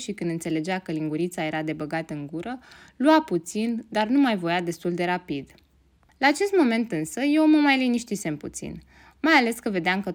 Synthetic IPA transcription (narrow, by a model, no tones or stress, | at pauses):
ʃikɨnd̪ɨnt̪se̞le̞d͡ʒeakəliŋɡuɾit̪saje̞ɾad̪e̞bəɡat̪əɨŋɡuɾəluaput̪sind̪arnumajvo̞jad̪e̞st̪uld̪e̞ɾapid̪ | laːt͡ʃe̞st̪mo̞me̞nt̪ɨnsəje̞wməmajliniʃt̪ise̞mput̪sḭn | majale̞skəve̞d̪eamkə